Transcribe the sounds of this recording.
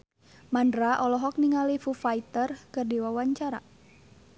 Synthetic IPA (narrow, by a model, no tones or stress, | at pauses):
mandɾaʔɔlɔɦɔk̚niŋalifufait̪ərkɨrdiwawaɲt͡ʃaɾa̰